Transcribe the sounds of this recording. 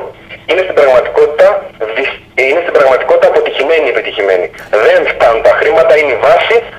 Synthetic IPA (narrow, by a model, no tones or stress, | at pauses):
inest̪ibɾɐɣmɐt̪i̥ko̞t̪i̥t̪ɐði | inest̪ibɾɐɣmɐt̪i̥ko̞t̪it̪ɐːpo̞t̪içime̞niepit̪içime̞̰niðeɱft̪ɐnunt̪ɐxɾimɐt̪ɐineivɐsi